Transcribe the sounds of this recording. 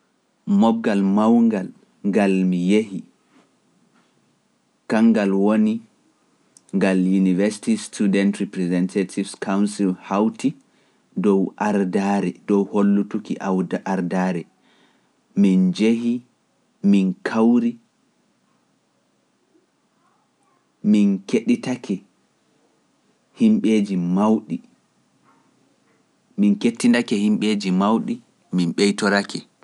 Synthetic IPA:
mɔɡːalmawŋɡal | ŋɡalmijehi | kaŋɡalwoni | ŋɡaljunivɛsi̥tistudɛntɾipɾɛzɛntʰatʰivskawnsilhawti | dɔwʔaɾdaɾɛdɔwholːutukiʔaaɾdaɾɛ | mind͡ʒehi | minkʰawɾi | minkeɗitakʰɛ | himɓeːd͡ʒimawɗi | minketːindakɛhimɓeːd͡ʒimawɗi | minɓɛjtɔɾakʰɛ

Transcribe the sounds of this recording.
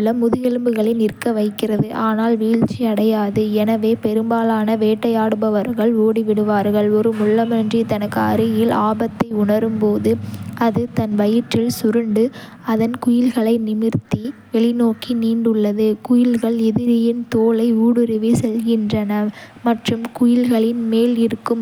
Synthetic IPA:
ɭːɐmʊðɯjɛlɯmbɯɣɐɭɪnɪrkːɐʋɐɪkːɪrɐðɯʔaːnaːlʋiːɻt͡ʃːiɐɽɐjaːðɯɛnɐʋeːpɛɾɯmbaːlaːnɐʋeːʈːɐjaːɽɯbɐʋɐɾɣɐɭoːɽiʋɪɽɯʋaːɾɣɐɭɔɾɯmʊlːɐmɐndrit̪ɐnɐkːɯɐɾɯjɪlaːbɐt̪ːɐɪʊɳɐɾɯmpoːðɯʔɐðɯt̪ɐnʋɐjɪʈrɪlsʊɾɯɳɖɯ | ɐðɐnkʊjɪlɣɐɭɐɪnɪmɪɾt̪iʋɛɭɪnoːkiniːɳɖɯɭːɐðɯkʊjɪlɣɐɭɪðɪɾɪjɪnt̪oːlɐɪuːɽɯɾɪʋisɛlɣɪndrɐnɐmɐʈrɯmkʊjɪlɣɐɭɪnmeːlɪɾɯkːɯm

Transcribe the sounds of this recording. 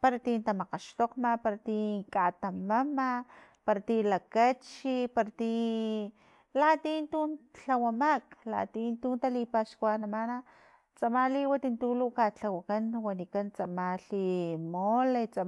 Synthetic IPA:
paɾat̪int̪amaqaʃt̪oqmapaɾat̪ikat̪amamapaɾat̪ilakat͡ʃipaɾat̪i | lat̪iːnt̪unt͡ɬawamakla̰t̪int̪unt̪alipaʃkwanamana | t͡samaliwat̪int̪ulukat͡ɬawakanwanikant͡samaɬimolet͡sa

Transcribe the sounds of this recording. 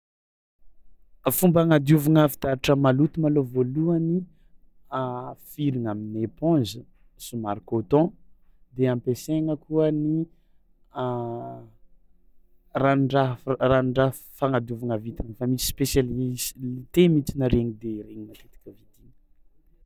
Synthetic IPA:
fumbaŋad̪uvuŋavit̪aɾiʈ͡ʂəmalut̪umalovoluəni | fiɾiŋaminepɔ̃zə | sumaɾikot̪ɔ̃ | d̪eãmpeseŋəkuəni | raɳɖ͡ʐaɦraɳɖ͡ʐa | faŋad̪juvaŋavit̪infamisi̥spesalizlit̪emit͡sinəɾeŋid̪eɾeɲinat̪et̪ḁkʲəvit̪inə

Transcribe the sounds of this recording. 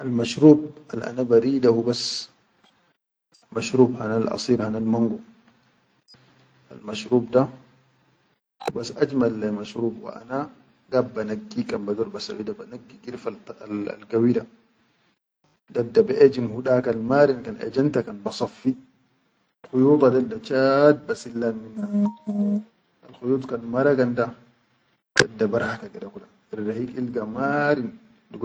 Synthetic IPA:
ʔalmaʃɾuːba̰lʔa̰nabaɾiːdahubas | maʃɾuːbhanalʔɑ̰siːɾhanalmaŋɡu | ʔa̰lmaʃɾuːbda | hubasʔad͡ʒmalːamaʃɾuːbwa̰ʔa̰na | ɡabːanaɡːikambadɔɾbasa̰ʕiːdabanaɡːiɡiɾfaa̰lɡawida | dadːabɛʔɛd͡ʒinhuɗakanmaɾinkanɛ̰d͡ʒantakanbasɔfːi | xujut̪adadːat͡ʃad̚basilːanmina | alxujut̪kanmaɾaɡanda | dɛdːabaɾhakaɡɛdakula | iɾːahikilɡamaɾin | dɡ

